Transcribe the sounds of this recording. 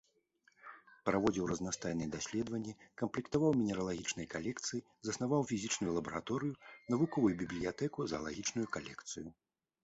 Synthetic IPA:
pɾavɔd͡zʲiwrɐznast̪ajnɨjɛd̪asʲlʲɛd̪vɐnʲːɛkɐmplʲikt̪avawmʲinʲɛɾɐlˠaɣʲit͡ʂnɐjkalʲɛkt̪sɨji | zɐsnavawfʲizʲit͡ʂnujulˠɐbɐɾat̪ɔɾɨjunɐvukɔvujubʲiblʲijat̪ɛkuzɐ̰lˠaɣʲit͡ʂnujukalʲɛkt̪sɨju

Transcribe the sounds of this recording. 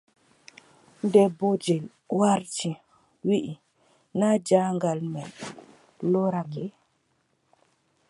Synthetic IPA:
ndɛbod͡ʒel | waɾti | wiʔi | nad͡ʒaŋɡalmɛ | loɾake

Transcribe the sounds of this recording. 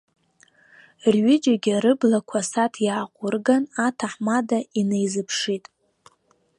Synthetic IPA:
rɥɪd͡ʒaɡʲaɾɨblakʷʰasatʰjaːqʷʼʊrɡanatʰaħmadaine̞jzɨpʰʂitʼ

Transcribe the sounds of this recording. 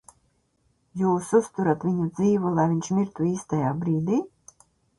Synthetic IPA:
juːsust̪uɾat̪vʲiɲud̪ziːvulˠajviɲʃmiɾt̪uiːst̪ajaːbɾiːd̪iː

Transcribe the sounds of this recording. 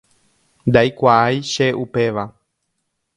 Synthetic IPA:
nd̪ajkʷaajʃeʔupe̞ʋa

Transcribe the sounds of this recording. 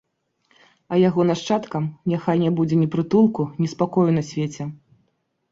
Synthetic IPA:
ɐjaɣɔnaʂt͡ʂat̪kɐmnʲaxajnʲɛbud͡zʲɛnʲipɾɨt̪ulˠkunʲispakɔjunɐsʲvʲet͡sʲɛ

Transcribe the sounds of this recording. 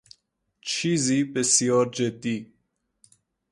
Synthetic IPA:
t͡ʃʰizibesijɔːɾd͡ʒed̪i

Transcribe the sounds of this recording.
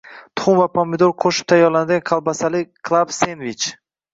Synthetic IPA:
t̪ʰʊ̥χʊmvapʰɒmed̪olˠqʰoʃɪ̥p̚t̪ʰajɒɾland̪ɪɡʲanqʰɑlˠbasalɪkʰlˠabsenvit͡ʃ

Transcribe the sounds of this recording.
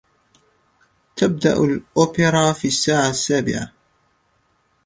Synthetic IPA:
t̪ʰab̚d̪a̰ʔʊlʔoːpɪɾˤɑːfiːasːaːʕasːaːbɪ̰ʕa

